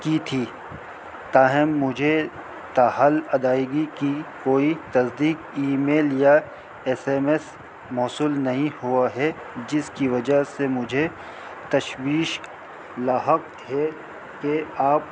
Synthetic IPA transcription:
kit̪ʰiː | t̪aːɦɪmːʊd͡ʒʱe | t̪aːɦalɐd̪aːɪɡikikoːit̪ɐzd̪iːkiːmeːlja | eːseːmes | mɔːsuːlnɐɦĩhuaɦɛ | d͡ʒɪskiʋɐd͡ʒasemʊd͡ʒʱe | t̪ɐʃwiːʃ | laːɦə | ɦɛ | keaːp̚

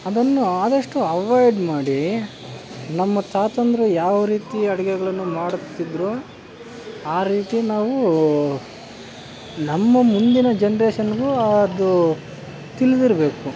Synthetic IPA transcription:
ɐd̪ɐnːuaːd̪ɐʂʈuɐʋajɖmaːɽi | nɐmːɐt̪aːt̪ɐnd̪ɐɾɐjaːʋɐɾiːt̪iɐɽɛɡɛɡɐɭɐnːumaːɽut̪ːid̪ɾoː | aːɾiːt̪inaːʋu | nɐmːɐmund̪inɐd͡ʒenɐɾeːʃɐnɡuːɐd̪u | t̪ilid̪iɾɐbe̞ːku

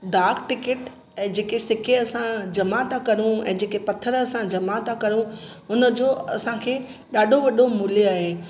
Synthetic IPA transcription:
ɖaːɾkʈɪkɪʈ | ɛ̃ːd͡ʑeːkesɪkʰeɐsãd͡ʑɐmat̪ʰakɐɾũɛ̰̃ːd͡ʑeːkepɐt̪ʰəɾɐsãd͡ʑɐmat̪ʰakɐɾũ | ʊnə̆d͡ʑoːɐsãkʰeː | ɗaːɖʱoʋɐɗʱomʊljoaːɦeː

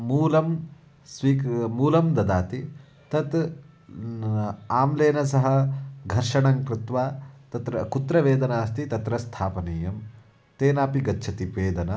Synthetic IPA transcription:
muːlɐm | sʋiːkmuːlɐmd̪ɐd̪aːt̪i | t̪ɐt̪ | aːmleːnɐsɐɦɐ̆ɡʱɐɾʂɐɳɐŋkɾɪt̪ʋaːt̪ɐt̪ɾɐkut̪ɾɐʋeːd̪ɐnaːst̪it̪ɐt̪ɾɐst̪ʰaːpɐniːjɐm | t̪eːnaːpiɡɐtːt͡ʃʰɐt̪ipʋeːd̪ɐnɐ

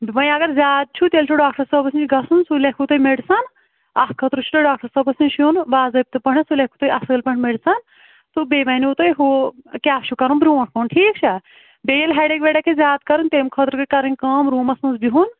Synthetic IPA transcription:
ʋɐ̃jɐɡɐɾzʲaːd̪̚t͡ʃʰut̪elʲt͡ʃʰuɖaːk̚ʈɐɾsəːbɐsint͡ʃiɡɐsunsulekʰut̪ojmeɖsɐn | akkʰɐt̪ɾɨt͡ʃʰut̪oɖaːkʈɐɾsəːbɐsinʲt͡ʃʰunbaːzɐp̚t̪ɨpɐɳ̤esulʲekʰut̪ojʔɐsɨːlpɐɳʲmeɖsɐn | t̪ubeːʋɐnut̪ojɦokʲaːft͡ʃʰukɐɾunbɾuːɐʈkoːnʈʰiːk̚t͡ʃʰɐ | bejlɦɛːɖekʋeɽakʰezʲjaːd̪̚kɐɾɨnt̪eːmkʰɐt̪ɾkɨkɐɾɐnʲkɐːmɾuːmɐsnɐsbiɦun

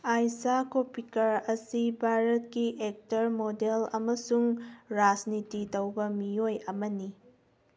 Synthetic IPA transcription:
ajsakopikɐɾɐsibʱaɾɐt̚kiʔek̚tɐɾmodelɐmɐsuŋɾad͡ʒnititɐwbɐmiojɐmɐni

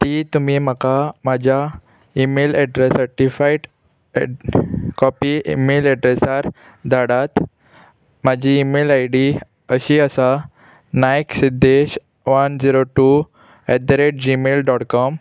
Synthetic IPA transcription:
t̪iːt̪umiməkamad͡ʑʱa | imelɛɖɾesəɾʈifaiʈ | kɔpiimelɛɖɾesaɾ | d̪aɽat̪ | mad͡ʑʱiːmelajɖi | əɕiəsa | najksid̪eɕ | ʋənd͡ʑiɾoʈu | ɛd̪ɾeʈ̚d͡ʑimelɖɔʈkɔm

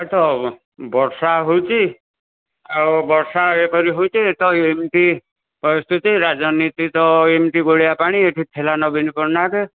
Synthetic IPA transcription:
t̪ɔ | bɔɾsaɦowt͡ʃi | abɔɾsaepɔɾiɦowt͡ʃʰiet̪ɔemʈi | pɔst̪ʰut̪iɾad͡zɔnit̪it̪ɔemʈiɡoɭijapaɽ̃ieʈʰit̪ʰelanɔbinipɔɾnake

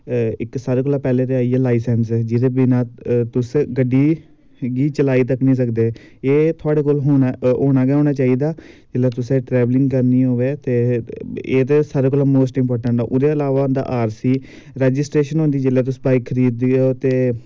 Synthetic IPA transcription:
ɪksaːɾeːkoːlaːpɛːlẽːɾeaːiːɛːlaːisɛnsd͡ʒɪd̪eːbɪnãːt̪ʊsɡəɖːiː | ɡiːt͡ʃəlaːiːt̪əknĩːs̬əkd̪eː | eːt̪ʰoaːɽeːkoːlɦoːɦoːñaːɡɛːɦoːñaːt͡ʃaːiːd̪aːd͡ʒɪleːt̪ʊsẽʈɾɛːʋlɪ̃ŋɡkəɾniːɦoːʋeːt̪eːeːt̪esaːɾeːkoːlãːmoːsʈɪmpɔːɾʈəɳʈːʔʊd̪ẽːəlaːʋaːnd̪a̰ːʔaːɾsiː | ɾɛːd͡ʒɪsʈɾeːʃənɦõːnd̪iːd͡ʒeːleːt̪ʊsbaːikkʰəɾiːd̪oːt̪eː

